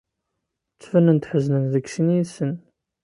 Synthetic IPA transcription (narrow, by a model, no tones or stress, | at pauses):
t͡sːfənənt̪ħəznənðəksinisən